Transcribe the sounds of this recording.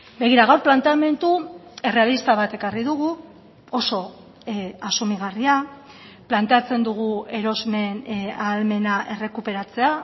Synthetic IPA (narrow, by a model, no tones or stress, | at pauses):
be̞ɣ̞iɾaɣawɾplant̪eame̞nt̪ue̞realist̪aβ̞at̪e̞kariðuɣ̞u | o̞so̞ | asumiɣ̞aria | plant̪eat͡se̞nd̪uɣ̞ue̞ɾo̞zme̞nalme̞naʔe̞re̞kupe̞ɾat͡se̞a